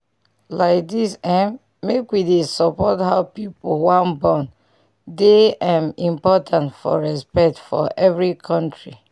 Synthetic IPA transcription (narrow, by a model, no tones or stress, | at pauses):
laɪk̚disɛ̃mː | ekwidesɔpɔthaʊpipwãnbɔ̃n | deãmĩmpɔtʰãntfɔ̰ɹɛspɛk̚tfɔ̰ʔɛvɹikʰɔ̃ntɹḭ